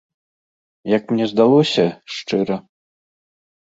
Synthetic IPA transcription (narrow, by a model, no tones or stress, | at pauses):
jɐkmnʲɛzd̪alˠɔsʲɐʂt͡ʂɨɾɐ